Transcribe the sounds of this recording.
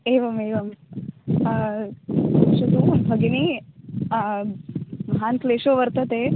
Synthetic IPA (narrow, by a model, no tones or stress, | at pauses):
eʋɐmeːʋɐm | ʃɐd̪ubʱɐɡeni | mɐɦankleʃoʋəɾt̪ət̪e